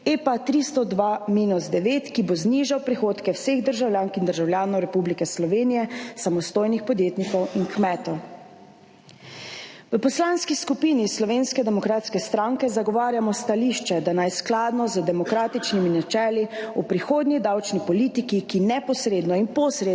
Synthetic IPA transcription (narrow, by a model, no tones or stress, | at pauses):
epat̪ɾist̪ɔd̪ʋamiːnuzd̪ɛʋeːt̪kibozniːʒawpɾixoːt̪kɛwseɣd̪əɾʒawlʲjaːŋkind̪əɾʒawlʲjaːnɔwɾɛpublikɛslɔʋeːnijɛsamɔst̪oːjnixpɔd̪jeːt̪nikɔwiŋkmɛːt̪ɔw | ʋəpɔslanskiskupiːnislɔʋenskɛd̪ɛmɔkɾaːt̪skɛst̪ɾaŋkɛzaɡɔʋaːɾjamɔst̪aliʃt͡ʃɛd̪anajsklaːd̪nɔzəd̪ɛmɔkɾaːt̪it͡ʃniminat͡ʃɛːliupɾixoːd̪nid̪awt͡ʃnipɔliːt̪ikikinɛpɔsɾeːd̪nɔimpɔsɾe